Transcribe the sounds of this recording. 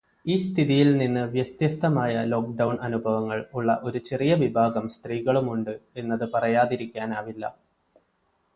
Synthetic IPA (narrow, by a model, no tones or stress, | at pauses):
iːst̪ʰiðijilninːɨʋjɐkt̪jɐst̪ʰɐmaːjɐlo̞ːk̚ɖɐwɳɐnubʱɐʋɐŋːɐɭuɭːɐ̰ʔo̞ɾut͡ɕe̞rijɐʋibʱaːɡɐmst̪riːɣɐɭumuɳɖɨe̞nːɐðɨpɐrɐjaːðiɾikʲːaːnaːʋilːɐ̰